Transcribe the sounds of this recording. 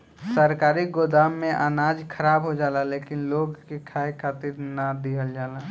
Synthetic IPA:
səɾkaːɾiɡod̪aːmːẽʔa̰ːnad͡ʒkʰəɾaːbɦod͡ʒaːlalekɪnloɡkekʰaekʰaːt̪iɾnad̪iɦəld͡ʒaːla

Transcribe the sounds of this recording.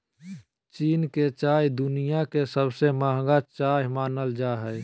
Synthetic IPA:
t͡ʃiːnket͡ʃaːjd̪ʊnijakesəbsemaːɦɡat͡ʃaːɦimaːnəld͡ʒaːɦɛ

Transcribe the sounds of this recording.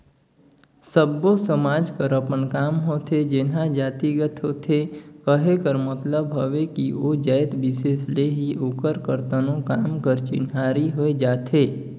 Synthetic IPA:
səbːosəmaːd͡ʒpəɾəpənkaːmɦoːt̪ʰed͡ʒɪnɦad͡ʒaːt̪iɡət̪ɦoːt̪ʰekəɦekəɾmət̪ləbɦəʋekiod͡ʒaːjt̪bɪsesleɦiʔokəɾkəɾt̪ənõkaːmkəɾt͡ʃɪ̰naːɾiɦoed͡ʒaːt̪ʰeː

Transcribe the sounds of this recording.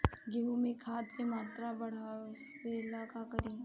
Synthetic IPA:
ɡeɦumẽkʰaːt̪kemaːt̪ɾabɐɽ̤a | ʋeːlaːkakəɾiː

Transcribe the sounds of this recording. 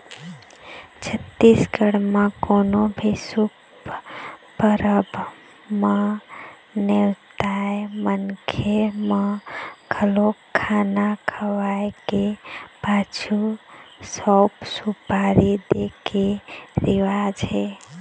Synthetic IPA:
t͡ʃʰət̪ːisɡəɽmakonobʱisup | pəɾəb | ma | newt̪aemənkʰemakʰəlokʰːanakʰəʋajkepat͡ʃʰusɔpsupaɾid̪ekeɾiʋad͡ʒɦe

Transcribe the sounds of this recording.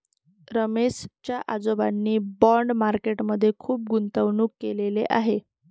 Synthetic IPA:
ɾəmest͡ɕjaʔad͡zobanːiːbɔɳɖmaɾkeʈməd̪ʱːjekʰuːp̚ɡunt̪əʋɳuːkːelelḛʔaɦe

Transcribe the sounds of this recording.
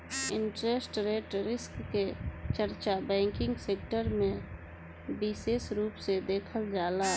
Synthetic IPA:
ɪ̃ɳʈɾesʈɾeːʈɾɪskːet͡ʃəɾt͡ʃabɛ̃ːŋkɪ̃ŋɡseːk̚ʈəɾmẽ | bɪseːsɾuːpsed̪eːkʰəld͡ʒaːla

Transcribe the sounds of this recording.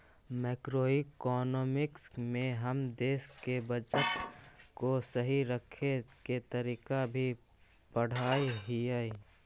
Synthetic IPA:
mɛːkɾoːɪkɔːnɔːmɪksmẽɦɐmd̪eːskebət͡ʃət̪kosəɦiɾəkʰeket̪əɾiːkabʱi | pəɽ̤aːiɦiai

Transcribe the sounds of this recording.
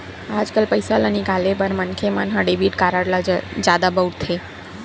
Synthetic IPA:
ad͡ʒkəlpəjsalənikalebəɾmənkʰemanɦãɖebiʈkaɾaɽlad͡ʒjad̪abəwɽt̪ʰe

